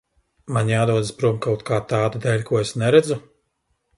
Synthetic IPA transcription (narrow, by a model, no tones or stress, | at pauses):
maɲʲjaːd̪uɔd̪ɨspɾumkawt̪kaːt̪aːd̪ad̪ɛːlʲkuɔesnɛɾɛd̪zu